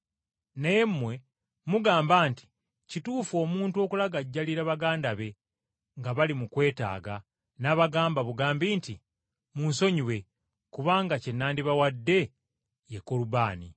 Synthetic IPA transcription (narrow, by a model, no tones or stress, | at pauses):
neje̞mmːwe̞ | muɡaːmbaːnti̥ | cituːfo̞ːmuːntuo̞ːkulaɡaɟːaliɾaβaɡaːndaβe̞ | ŋɡaβalimukwe̞ːta̰ːɡa | naβaɡaːmbaβuɡaːmbiːnti | muːnso̞ɲiwe̞ | kuβaːŋɡace̞nːaːndiβawadːe̞ | jeko̞lubaːni